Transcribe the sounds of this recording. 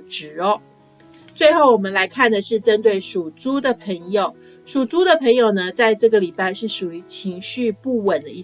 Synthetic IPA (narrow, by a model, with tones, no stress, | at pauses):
ʈ͡ʂɻ̩˨˥ɔ˦ | t͡swe˥˧ɪxo˥˩ʊwɔ˨˩mə˦nla˧˥ɪkʰa˥˩nd̪ə˩ʂɻ̩˥˩ʈ͡ʂə˥nt̪we˥˩ɪʂu˨˩t͡su˥d̪ə˨pʰə˧˥ŋjo˨˩ʊ | ʂu˨˩t͡su˥d̪ə˨pʰə˧˥ŋjo˨˩ʊnə˦t͡sa˥˧ɪʈ͡ʂɤ˥˩ɡə˩li˨˩pa˥˧ɪʂɻ̩˥˩ʂu˨˩y˧˥t͡ɕʰi˧˥ŋɕy˥˧pu˥˩wə˨˩nd̪ə˦i˥˩